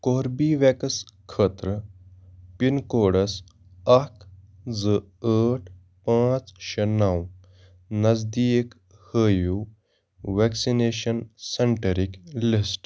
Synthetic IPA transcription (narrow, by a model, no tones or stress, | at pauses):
koɾbiʋɛkəskʰəːt̪ɾə | pinkoɽəs | ak | d͡zə | əʈʰ | pãt͡sɕenaw | nɐd͡zd̪iek | həju | ʋɛksineɕənseɳʈəɾiklisʈ